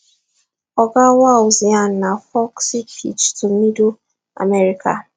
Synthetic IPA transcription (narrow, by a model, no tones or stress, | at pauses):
ɔɡawaozian̩nafɔksipʰḭt͡ʃtʊm̩ido | a̰mɛɾika̰